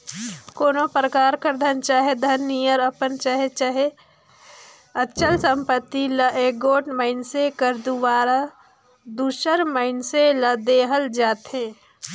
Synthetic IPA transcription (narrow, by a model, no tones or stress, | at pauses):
koːnopɾəkaːɾkəɾd̪ʱənt͡ʃaːɦed̪ʱɐnːijəɾəpənt͡ʃaɦet͡ʃaɦe | ətːt͡ʃəlsə̃mpət̪ːiləʔeːɡoːʈməɪnsekəɾd̪uʋaːɾa | d̪uːʃəɾməɪnseləd̪eːɦəld͡ʒaːt̪ɦẽː